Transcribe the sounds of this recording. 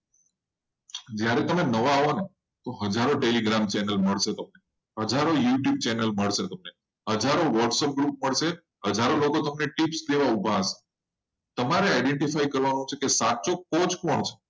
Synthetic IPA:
d͡ʒjaɾɛt̪əmenəʋaːʋone | t̪oɦəd͡ʒaɾoʈeliɡɾamt͡ʃɛnəlməɭʃet̪əmne | ɦəd͡ʒʱaɾojuʈjub̚t͡ʃɛnəlməɭʃet̪əmne | ɦəd͡ʒʱaɾoʋɔʈsəp̚ɡɾup̚məɭʃe | ɦəd͡ʒʱaɾolokot̪əmneʈipsd̪eʋaubʱaʃe̥ | t̪əmaɾeaɪɖeɳʈifajkəɾʋanũt͡ʃʰekesat͡ʃokot͡ʃkɔɳt͡ʃʰe̥

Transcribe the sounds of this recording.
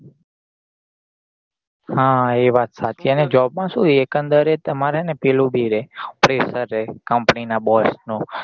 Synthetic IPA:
hãeʋat̪sat͡ʃ̪ʰiəned͡ʒɔb̚mãsuiekənd̪əɾet̪əmaɾenepelũbʱiɾepɾesəɾːekəmpninabɔsnũ

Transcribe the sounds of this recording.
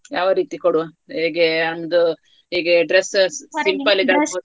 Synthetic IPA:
ja̰ːʋɐɾiːt̪ikoɽu | iːɡeɐnmod̪u | ɦiːɡeɖɾessimpɐlid̪ɐo

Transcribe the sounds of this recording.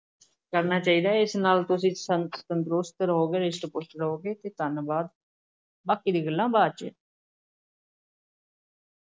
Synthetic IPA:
kəɾnaːt͡ʃaːiːd̪aːɪsnaːlt̪ʊsĩːsəsənt̪ɾʊst̪ɾəɦoːɡeːɾɪʃʈpʊʃɾəɦoːɡeːt̪eːt̪ənbaːd̪ | baːkiːd̪iːɡəlːãːbaːd̪̚t͡ʃe

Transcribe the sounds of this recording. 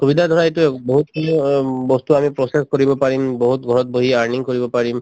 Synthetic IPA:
kubidʱad̪ʱɔɹaetuboɦut̪ | bɔst̪uamipɹɔsexkoɹibɔpaɹimboɦut̪ɡʱɔɹɔt̚boɦiaɹniŋkoɹibɔpaɹim

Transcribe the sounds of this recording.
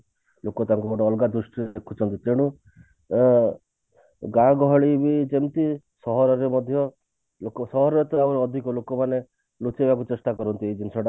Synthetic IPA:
lokɔt̪aŋkuɔɽɔːlɡad̪ɾusʈiekʰut͡ʃʰɔnt̪it̪eɽ̃u | ɡãɡɔɦɔɭibid͡ʒemt̪i | sɔɦɔɾɔɾemɔd̪ʱjɔ | lokɔsɔɦɔɾɔɾet̪ɔabɔɾeɔd̪ʱikɔlokɔmane | lut͡ʃebak̬ut͡ʃesʈakɔɾɔnt̪iejd͡ʒinsɔɽa

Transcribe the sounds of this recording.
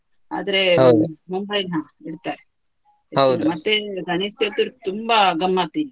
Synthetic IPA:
a̰ːd̪ɐɾeɦmumbɐjna | iɽt̪aːɾe | ɐd̪mɐt̪ːeɡɐɳisjɐt̪ːuɾt̪umbaɡɐmːat̪ini

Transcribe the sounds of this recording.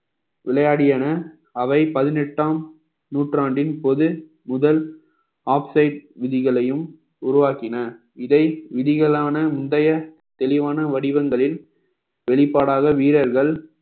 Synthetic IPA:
ʋɪlɐjaːɽɪjɐnɐ | ɐʋɐɪpɐðɪnɛʈːaːm | nuːʈraːɳɖɪnpɔðɯ | mʊðɐl | aːpsɐɪʈ̚ʋɪðɪɣɐɭɐjɯm | ʊɾʊʋaːkɪnɐ | ɪðɐɪʋɪðɪɣɐɭaːnɐmʊnd̪ɐjɐ | t̪ɛlɪʋaːnɐʋɐɽɪʋɐŋɡɐɭɪl | ʋɛɭɪpːaːɽaːɣɐʋiːɾɐɾɣɐɭ

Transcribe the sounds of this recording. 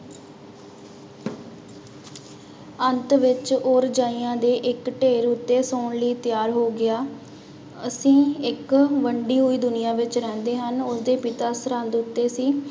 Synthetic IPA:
ənt̪ʋɪt͡ʃoːɾd͡ʒaːiːãːd̪eːʔɪkʈeːɾʊt̪ːeːsoːɳləiːt̪ɪjaːɾɦoːɡɪaː | əsĩːɪkʋəɳɖiːɦʊiːd̪ʊnɪjãːʋɪt͡ʃɾɛ̃ːnd̪eːɦənʊsd̪eːpɪt̪aːsəɾənd̪ʊt̪ːeːsiː

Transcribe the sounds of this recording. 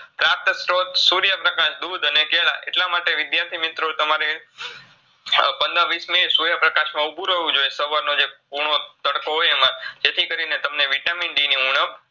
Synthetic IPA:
p̪ɾap̚t̪əsɾot̪suɾjəpɾəkaʃd̪ud̪ənekeɭa̰ʔḛʈlamaʈeʋɪd̪jaɾt̪ʰimɪt̪ɾot̪əmaɾe | pənd̪aʋismesuɾjəpɾəkaʃmãubʱũɾəʋũd͡ʒojesəʋaɾnod͡ʒepuɾɳ̃ot̪əɽkoɦojemãd͡ʒet̪ʰikəɾinet̪əmneʋiʈaminɖiniuɳəp

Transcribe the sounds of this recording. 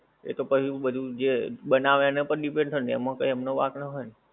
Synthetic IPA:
ḛt̪opət͡ʃʰiɓəd̪ʱud͡ʒeɓənaʋanəpəɾɗipẽɳɖt̪ʰənɛmãkəiəmnoʋa̰knəɦɔjn

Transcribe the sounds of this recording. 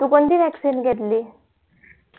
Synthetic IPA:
t̪ukond̪iːʋɛksinɡʱet̪liː

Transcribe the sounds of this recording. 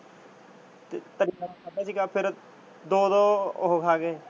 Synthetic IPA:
t̪eːt̪əɾiːkaːkʰəd̪aːsiːɡaːpʰɪɾ | d̪oːd̪oːɦokʰaːɡeː

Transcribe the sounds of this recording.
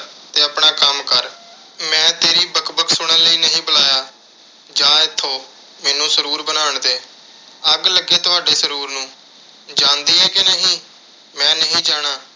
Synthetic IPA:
t̪eːəpɳaːkəmkəɾ | mɛ̃ːt̪eːɾiːbəkbəksʊɽ̃ə̃ːləiːnəɦĩːbəlaːjaː | d͡ʒãːɪt̪ʰːõː | mɛːnũːsəɾuːɾbənaːɳd̪eː | əɡləɡeːt̪ʊaːɖeːsəɾuːɾnũː | d͡ʒãːnd̪iːɛːkenəɦĩː | mɛ̃ːnəɦĩːd͡ʒaːɽ̃aː

